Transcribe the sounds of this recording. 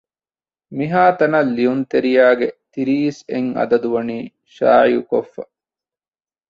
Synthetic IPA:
miɦaːt̪ɐnɐlːijunt̪eɾijaːɡet̪iɾiːseŋɐ̰d̪ɐd̪uʋɐniː | ʃa̰ːʕijukofːɐ

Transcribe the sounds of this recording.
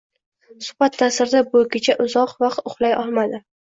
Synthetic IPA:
sʊ̥χb̥at̪ʰːasɪɾd̪abʊkʲɪt͡ʃʰaʔʊzɒqvaqt̪ʊχlˠajɒlˠmad̪ɪ

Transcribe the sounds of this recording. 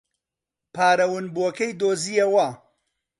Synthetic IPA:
pʰaːɾɐwɨnbuɐkɐjd̪oːzijɐwɐ

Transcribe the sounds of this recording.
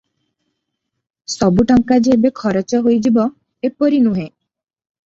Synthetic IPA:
sɔbuʈɔŋkad͡ʒeebekʰɔɾɔt͡ʃɔɦojd͡ʒibɔ | epɔɾinuɦẽ

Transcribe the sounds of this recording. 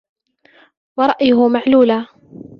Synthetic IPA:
wɑɾˤɑʔjʊɦʊmaʕluːlaː

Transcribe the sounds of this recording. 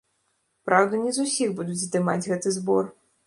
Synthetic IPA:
pɾawd̪ɐnʲizusʲiɣbud̪ud͡zʲzd̪ɨmad͡zʲɣɛt̪ɨzbɔr

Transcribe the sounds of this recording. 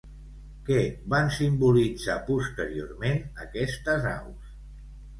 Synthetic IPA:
kɛβansimbulid͡zapust̪əɾio̰ɾmenəkɛst̪əza̰ws

